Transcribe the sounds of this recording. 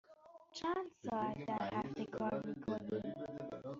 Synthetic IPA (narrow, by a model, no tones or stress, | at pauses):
t͡ʃʰænd̪sɒːæt̪̚d̪æɾhæft̪ekʰɒːɾmiːkʰo̞nim